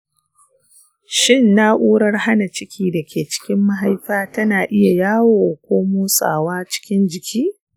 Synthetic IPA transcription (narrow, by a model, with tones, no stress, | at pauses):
ʃɪ˦˨nːa˦ʔʷuː˦ɽɐ˦rha˦na˨t͡ʃɪ˦kʲiː˦dɐ˨kʲeː˨t͡ʃɪ̥˦kʲɪ˦mːa˦ɦa˦jɸaː˦tɐ˦naː˨ʔɪ˦ja˨jaː˦woː˨kʷoː˦muː˦sʼa̰ː˨waː˦t͡ʃɪ̥˦kʲɪ˦nd͡ʒɪ˨kʲiː˦